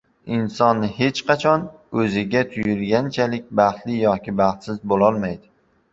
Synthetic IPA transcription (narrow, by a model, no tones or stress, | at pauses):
ɪnsɒnːɪhe̞t͡ʃqʰɑt͡ʃʰɒnɵzɪɡʲat̪ʰʊjɪlɡʲant͡ʃʰalɪk̚ʲbɑχt̪lɪjɒkʲʰɪbɑχt̪sɪzbolˠɒlˠmajd̪ɪ